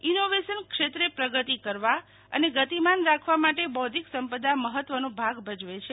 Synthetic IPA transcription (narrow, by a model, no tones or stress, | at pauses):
inoʋeʃənkʃet̪ɾepɾəɡət̪ikəɾʋa | ə̰neɡət̪imanɾakʰʋamaʈebɔd̪ʱiksəmpəd̪aməɦət̪ʋənobʱaɡbʱəd͡ʒʋet͡ʃʰe